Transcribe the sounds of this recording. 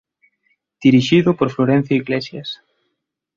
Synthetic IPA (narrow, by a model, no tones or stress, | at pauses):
d̪̥iɾiʃiðʊpoɾfloɾẽn̟θjoiɣlesjas